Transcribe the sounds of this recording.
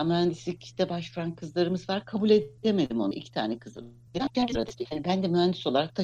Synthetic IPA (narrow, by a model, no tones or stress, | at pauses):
amyænd̪islʲicd̪ɛbaʃfɾankʰɯzlˠaɾɯmɯzvaɾkʰabulʲe̞d̪eme̞d̪imo̞naʔḭcʰi̥t̪ʰaːnɛkʰɯzɯ̰ | d͡ʒʰæɾsɯɾa̰d̪ɯ̥t̪jhaːnibænd̪ɛmyænd̪iso̞lˠaɾak̚t̪ʰa